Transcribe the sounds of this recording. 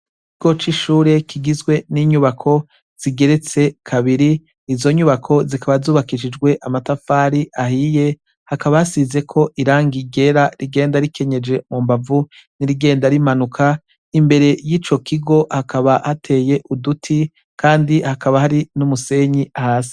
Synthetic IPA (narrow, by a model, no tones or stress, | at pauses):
kiɡo̞t͡ʃiʃuːɾe̞kʰiɡizɡwe̞niɲuβakʰo̞ | z̥iɡe̞ɾe̞t͡se̞kʰaβiɾiː | zo̞ɲuβakʰo̞zikʰaβazuːβakiʃ̬id͡ʒɡwe̞ʔamatafaːɾiʔaɦije̞ | hakaβahasize̞kʰo̞ʔiɾaːŋɡiɡe̞ɾaɾiɡe̞ːndaɾikʰe̞ɲe̞d͡ʒe̞mumbavu | niɾiɡe̞ːndaɾimanukʰa | imbe̞ɾe̞jiːt͡ʃo̞kʰiɡo̞hakʰaβahatʰe̞ːje̞ʔudutʰi | kʰaːndihakaβahaɾinumuse̞ɲiahaːsi̥